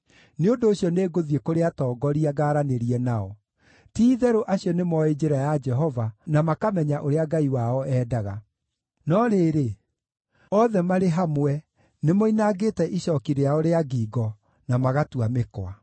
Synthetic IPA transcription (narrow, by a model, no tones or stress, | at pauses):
neondoːɕjɔneːɡoðiekoɾeatɔːɡɔɾiaɡaːɾaneɾiɛnaɔ | tiːðɛɾoʔaɕjɔnemɔed͡ʒeɾajad͡ʒɛɦɔvanamakamɛɲaʔoɾeaɡaiwaɔɛːdaɣa | nɔɾeɾe | ɔðɛmaɾeɦamwɛ | nemoinaɡeːtɛʔiɕɔːkiɾeaoɾeaɡiːɡɔ | namaɣatuamekwa